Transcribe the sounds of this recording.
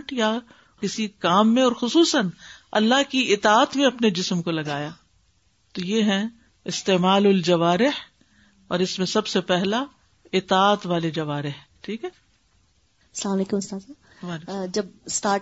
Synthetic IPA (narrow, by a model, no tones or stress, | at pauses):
ʈja | kɪsikaːmːẽɔːɾxʊsuːsənɐ̰lːaɦkiɪt̪aːt̪mẽɐpned͡ʒɪsmkolɐɡaːjaː | t̪ojeːɦɛ̃ | ɪst̪eːmaːlʊld͡ʒɐʋaːɾɪh | ɔːɾɪsmẽsɐbsepɛɦla | ɪt̪aːt̪ʋaːled͡ʒɐʋaːɾɪh | ʈʰiːkɦɛː | ɐslaːmɐleːkʊmɪst̪aːd̪saːb | ʋaːd͡ʒɐb̚sʈaː